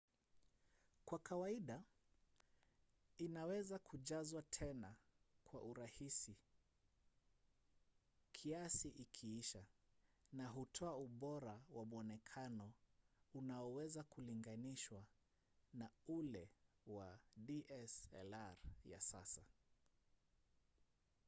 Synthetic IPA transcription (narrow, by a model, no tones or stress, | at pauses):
kwakawaiɗa | inawɛzakʰuʄazwatʰɛna | kʰwa̰ʔuɾahisi | kʰiasiʔikʰiiʃanaɦutʰɔauɓɔɾawamuɔnɛkʰanɔunaɔwɛzakuliŋɡaniʃwa | naulɛ | wadiʔɛsɛ̰laɾja̰sa̰sa